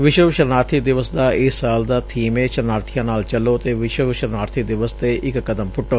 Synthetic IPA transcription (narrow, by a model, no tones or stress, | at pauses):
ʋɪʃwəʋʃəɾnaːɾt̪ʰid̪ɪʋəsd̪aːɪsaːld̪aːt̪ʰiːmeːʃəɾnaːɾt̪ʰijãːnaːlt͡ʃəlːoːt̪eːʋɪʃəʋʃəɾnaːɾt̪ʰid̪ɪʋəst̪eːʔɪkkəd̪əmpʊʈoː